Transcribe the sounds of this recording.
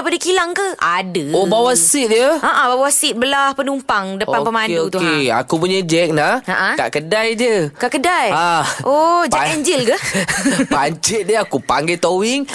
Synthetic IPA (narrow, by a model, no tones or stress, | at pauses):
padakilaŋkəadəobawasit̪̚jəʔaʔãbawasit̪̚bəlahpənumpaŋdəpanpəmãnotk̪ueaa̰kupuɲad͡ʒɛk̚nahaʔãka̰ʔkədajd͡ʒəkaʔkədajaʔod͡ʒɛkɛɲd͡ʒilkə | baɲt͡ʃit̪̚dəakupaŋɡat̪owiŋ